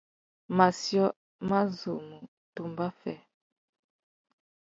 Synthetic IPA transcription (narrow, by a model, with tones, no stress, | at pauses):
ma˨sjɔ˦ | ma˦zu˨mu˨ | tu˨mba˦fɛ˦˨